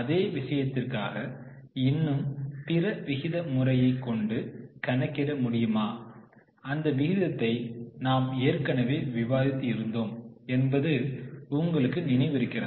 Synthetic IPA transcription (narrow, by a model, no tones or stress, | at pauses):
ɐðeːʋɪʂɐjɐt̪ːɪrkaːɣɐ | ɪnːɯmpɪrɐʋɪɣɪðɐmʊrɐjɐɪkːɔɳɖɯkɐnɐkːɪrɐmʊɽɪjɯmaː | ɐnd̪ɐʋɪɣɪðɐt̪ːɐɪnaːmeːrkɐnɐʋeːʋɪʋaːðɪt̪ːɯɪɾɯnd̪oːmɛnbɐðɯʊŋɡɐɭɯkːɯnɪnɐɪʋɪɾɯkːɪrɐ